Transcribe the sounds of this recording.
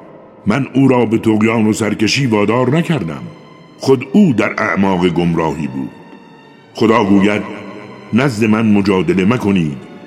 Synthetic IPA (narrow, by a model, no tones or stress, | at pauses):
mænuːɾɒːbe̞t̪ʰoɣjɑːno̞sæɾkeʃiːvɒːd̪ɒːɾnækʰæɾd̪æ̰m | xod̪uːd̪æɾæ̰ʔmɒːɣeɡomɾɒːhiːbṵːd̪̥ | xod̪ɒːɡuːjæd̪̚næzd̪e̞mænmo̞d͡ʒɒːd̪ele̞mækʰo̞niːd̪̥